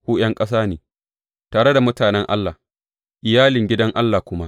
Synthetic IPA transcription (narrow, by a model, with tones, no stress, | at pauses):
huː˦j̰ɐ˦ŋkʼɐ˦s̬aː˦neː˨ | taː˨ɽe˦da˨mʊ˦taː˨nɛ˦ŋʔa̰˦lːaː˨ | ʔɪ˨jaː˦lɪ˨ŋɡʲɪ˦dɐ˦ŋʔa˦lːaː˨kʷʊ˦ma˦